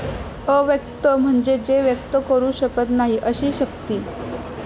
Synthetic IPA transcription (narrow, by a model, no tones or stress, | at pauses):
əʋjəkt̪əm̤əɳd͡ʑed͡ʑeʋjək̚t̪əkəɾuːɕəkət̪naɦiʔəɕiːɕəkt̪iː